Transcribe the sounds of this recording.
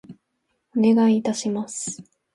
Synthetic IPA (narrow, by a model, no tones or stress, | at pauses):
one̞ɡaiːt̪aɕimasɨ̥